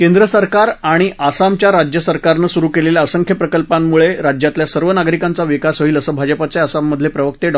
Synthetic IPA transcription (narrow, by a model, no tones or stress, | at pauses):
kẽnd̪ɾəsəɾkaɾaɽ̃iʔasamt͡ɕjaɾad͡ʑjəsəɾkaɾnəːsuɾuːkeleljaəsəŋkʰjəpɾəkəlpamːuɭeɾad͡ʑjat̪ljasəɾʋənaɡɾikant͡saʋikasəɦiːləsəbʱad͡zəpat͡seasamːəd̪ʱlepɾəʋək̚t̪eɖ